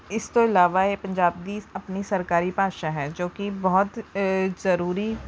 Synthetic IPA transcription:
ɪst̪oɪlaːʋaepɐ̃ɲd͡ʒaːb̚d̪iːɐpnisɐɾkaːɾipaːʃaɦɛːd͡ʒoːkibɐɦʊt̪zɐɾuːɾi

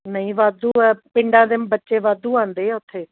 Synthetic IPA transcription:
nəĩːʋaːd̪uːɛːpɪɳɖãːd̪eːmbətːʃeːʋaːd̪uːãːnd̪eːɛːʊt̪ʰːeː

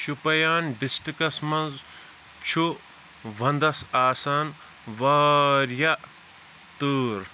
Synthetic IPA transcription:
ʃupɐjaːnɖisʈikɐsmɐ̃nz | t͡ʃʰu | ʋɐ̃nd̪ɐsaːsaːn | ʋaːɾjɐ | t̪uːɾ

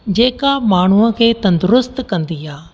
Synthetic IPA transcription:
d͡ʑeːkamaːɳ̤uəkʰeːt̪ɐ̃nd̪ʊɾʊst̪kɐ̃nd̪iaː

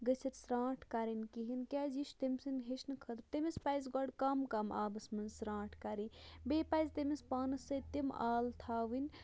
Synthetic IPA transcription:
ɡət͡sʰɐt̪sɾãːʈʰkaɾinkiɦinkʲad͡ʒiʃt̪emsinɦeʃnɨkʰət̪ɾt̪emespaːjzɡɔɽkamkama̰ːbɐsmɐnsɾãːʈʰkaɾibeːpajzt̪emispaːnɨsɐt̪ema̰ːlt̪ʰaːʋinʲ

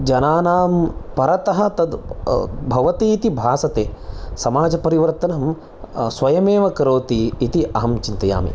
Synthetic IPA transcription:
d͡ʒɐnaːnaːmpɐɾɐt̪ɐɦɐ̆t̪ɐd̪ | bʱɐʋɐt̪iːt̪ibʱaːsɐt̪eːsɐmaːd͡ʒɐpɐɾiʋɐɾt̪ɐnɐm | sʋɐjɐmeːʋɐkɐɾoːt̪iːt̪iʔɐɦɐmt͡ʃint̪ɐja̰ːmḭ

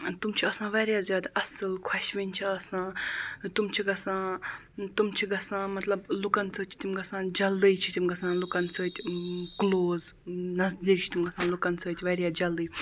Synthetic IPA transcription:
t̪umt͡ʃʰiɐsãːʋaɾʲjaːzjaːd̪aʔɐsɨlkʰɐʃʋinʲt͡ʃʰiɐsãːt̪umt͡ʃʰiɡɐsãː | t̪umt͡ʃʰiɡɐsãːmɐt̪lɐblukɐnt͡sʰəːt͡ʃʰi̥t̪imɡɐsãːd͡ʒɐld̪ɨjt͡ʃʰi̥t̪imɡɐsãːlukɐnt͡sʰəːt̪ʲkloːznɐzd̪iːk̚t͡ʃʰi̥t̪imɡɐsãːlukɐnt͡sʰəːt̪ʲʋɐɾʲjaːd͡ʒɐld̪ɨj

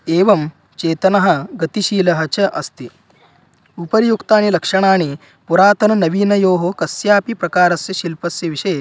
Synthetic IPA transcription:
eːʋɐm | t͡ʃeːt̪ɐnɐɦɐ̆ɡɐt̪iʃiːlɐɦɐt͡ʃɐʔɐst̪i | upɐɾjukt̪aːnilɐkʂɐɽ̃aːɳi | puɾaːt̪ɐnɐnɐʋiːnɐjoːɦokɐsjaːpipɾɐkaːɾɐsjɐʃilpɐsjɐʋiʂɐje

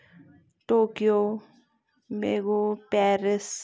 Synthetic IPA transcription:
ʈoːkijoː | beːɡopɛːɾɪs

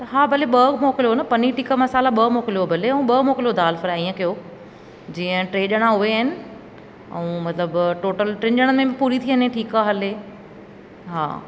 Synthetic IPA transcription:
t̪ɐɦaːbʱɐleɓɐmɔːkɪlijonɐpɐniʈiːkamɐsaːlaɓɐmoːkɪlijobʱɐleɛ̃ũɓɐmoːkɪlijod̪ʱaːlfɐɾaĩːə̃kɐjo | d͡ʑiːə̃ʈɾeːɗəɽ̃aɦʊʋeaɦɪnɪ̆ | ɛ̰ũmɐt̪ləbʈoːʈəlʈɾɪ̃ɲʄəɽ̃əmẽbɪpuːɾit̪ʰiəɲẽʈʰiːkaːɦɐle | ɦa̰ː

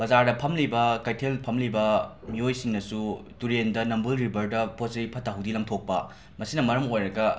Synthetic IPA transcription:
b̥ɐzaɾdɐpʰɐmlibɐkɐjtʰelpʰɐmlibɐ | miojsiŋnɐsutuɾendɐnɐmbulɾibɐɾdɐposɐɾipʰɐtʰːaɦuwdilɐŋtʰok̚pɐ̰ | mɐsinɐmɐɾɐmojɾɐɡɐ

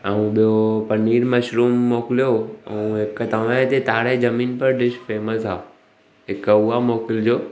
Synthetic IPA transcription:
əũɓijopɐniːɾmɐʃɾuːmːoːkɪlijoːɐũɦɪkt̪ɐʋat̪et̪aːɽed͡ʑɐmĩːnpɐɾɖɪʃfeːməsaː | ɦɪkuɦamoːkɪld͡ʑoː

